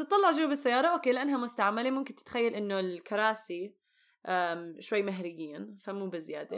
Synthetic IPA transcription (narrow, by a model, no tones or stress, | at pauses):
t̪ɨt̪ˤːɑlːɑʕʒuːbɪsːajːɑːɾˤɑʔoːkeːlɪʔanːhamʊst̪aʕamːalemʊmkɪnt̪ɪ̥t̪xajːalʔɪnːolkɑɾˤɑːsi | ʔaʃwajːmaɦɾɪjːiːnfamuːbɪzɪjaːd̪e